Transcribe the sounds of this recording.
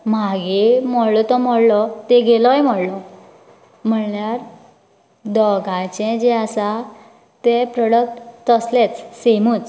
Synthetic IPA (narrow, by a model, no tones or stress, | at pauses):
m̤aɡemɔɽlɔt̪ɔm̤ɔɽlɔt̪eɡelɔjm̤ɔɽlɔ | m̤əɳljaɾ | d̪ɔɡʱat͡ɕɛ̃d͡ʑɛasa | t̪epɾɔɽək̚ʈt̪əslet͡ssemuːt͡s